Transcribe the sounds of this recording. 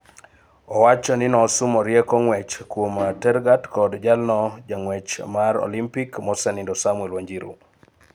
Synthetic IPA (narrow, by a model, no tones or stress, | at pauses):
ɔwat͡ʃɔnɪnɔsʊmɔɾjɛkɔŋwɛt͡ʃkwomatɛɾɡatkɔdd͡ʒalnɔd͡ʒaŋwɛt͡ʃmaɾɔ̰limpikmɔsɛnɪndɔsamwɛlwaɲd͡ʒiɾṵ